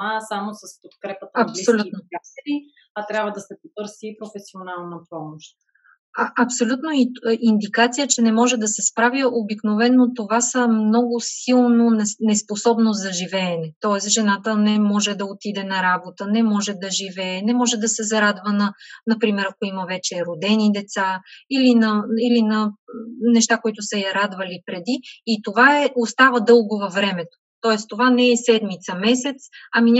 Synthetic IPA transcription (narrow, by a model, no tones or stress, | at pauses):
asamosəspot̪̚kɾɛpət̪əɐpsiolʲunoat̪ɛɾi | ɐt̪ɾʲjabvəd̪ɐsɛpot̪ɤɾsiːpɾofɛsionalˠnɐpɔmoʃt̪ | aʔɐpsolʲut̪noiʔind̪ikat̪sijət͡ʃɛnɛmɔʒɛd̪ɐsɛspɾavəobiknovɛnːot̪ovasəmnɔɡʊsilˠnonɛnɛsposɔbnozɐʒivɛːnɛt̪ɔɛsʒɛnat̪ənɛmɔʒɛd̪ɐot̪id̪ɛnɐɾabot̪ənɛmɔʒɛd̪ɐʒivɛːnɛmɔʒɛd̪ɐsɛzɐɾad̪vənɐnɐpɾimɛɾɐkoiməvɛt͡ʃɛɾod̪ɛnid̪ɛt̪sailinɐilinɐnɛʃt̪akoit̪ʊsɐjɐɾad̪vɐlipɾɛd̪iːt̪ovaɛʔost̪avəd̪ɤlˠɡovɐvɾɛmɛt̪o̥t̪ɔɛst̪ovanɛɛsɛd̪mit̪səmɛsɛt̪sɐmiɲʲ